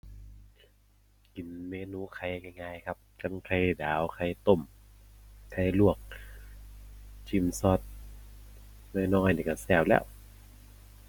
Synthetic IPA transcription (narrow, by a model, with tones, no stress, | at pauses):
ki˨˦nmeː˧˨nuː˧˥˨kʰa˧˩jŋa˧jŋaː˧˩jkʰa˧˥p̚ka˧˥˨nkʰa˧˩jdaː˨˦wkʰa˧˩jt̪o˧˩˨m | kʰa˧˩jlu˧˩ək̚ | t͡ɕʰi˧˩˨msɔː˧˥t̪̚ | nɔː˧˩˨nɔː˧˥˩jniː˧˩ka˧˩sɛː˧˩wlɛ̰ː˧˩˨w